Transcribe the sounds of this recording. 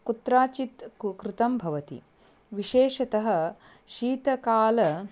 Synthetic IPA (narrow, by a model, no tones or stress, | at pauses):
kut̪ɾaːt͡ʃit̪kɾɪt̪ɐmbʱɐʋɐt̪ḭ | ʋiʃeːʃɐt̪ɐɦɐ̆ | ʃiːt̪ɐkaːlɐ